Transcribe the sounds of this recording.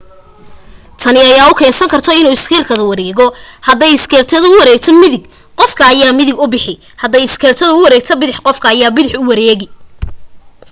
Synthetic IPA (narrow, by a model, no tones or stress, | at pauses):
t̪ʰɐnɪɐjaːʊkʰɛːsɐŋkʰɐrt̪ʰɔɪnuːɪskʰɛːlkʰɐðɐwɑɾɛːɣɔhɐd̪ɛjɪskʰɛːlt̪ʰɐðʊʊwɑɾɛːɡ̚t̪ʰɐmɪðɪɡ | qɔfkʰɐːjaːmɪðɪɡʊbɪħɪ | hɐd̪ɛjɪskʰɛːlt̪ʰɐðʊʊwɑɾɛːɡ̚t̪ʰɐbɪðɪħqɔfkʰɐːjaːbɪðɪħʊwɑɾɛːɣɪ